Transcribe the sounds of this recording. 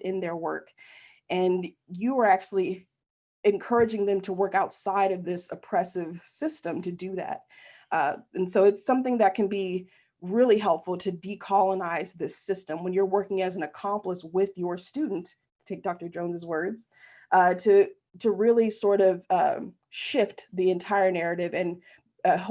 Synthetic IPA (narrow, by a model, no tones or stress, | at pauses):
ʔɪ̃nðə˞wɜ˞k | ʔɨ̃n | jɨə˞æk̚t͡ʃʉl̩ˠi | ɨ̃nkʰɜ˞ɨd͡ʒɪ̃ŋðɨ̃mtʰəwɜ˞kaʊtsaɪɾʌvðɪsɨpʰɹ̥ɛsɨv̥sɪstɨ̃mtʰɨdɨðæ̰t̚ | ʔʌɨ̃nsoʊɨtsʌ̃mθɪ̃ŋðɨt̚kʰɨ̃nbi | ɹɪlˠiɦɛlˠpfl̩ˠtʰɨdikʰɑlˠənaɪzðɪsɪstɨ̃mwə̃njə˞wɜ˞kɪ̃ŋɨzn̩ɨkʰɑ̃mpləswɪðjə˞stʉdⁿn̩t | tʰeɪk̚d̥ɔk̚tə˞d͡ʒõʊ̃nzɨzwɜ˞dz̥ | ʔʌtʰɨ | ɾɨɹɪlˠisɔɹɾʌv̥ʌ | ʃɪft̪ðiɨ̃ntʰaɪə˞nɛɹɨɾɪvɨ̃n | ʌ